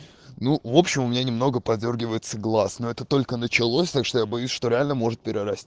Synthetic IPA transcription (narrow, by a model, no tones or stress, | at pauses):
nuvo̞pɕːɪmʊmʲɪnʲanʲɪmno̞ɡəpɐdʲvʲo̞rɡʲɪvəjɪt̪səɡlˠasno̞ɛt̪ət̪o̞lʲkənət͡ɕɪlˠosʲt̪akʂt̪o̞jabɐjʉsʲʂt̪o̞ɾʲɪalʲnəmo̞ʐɨt̪̚pʲɪɾʲɪɾɐsʲt̪ʲ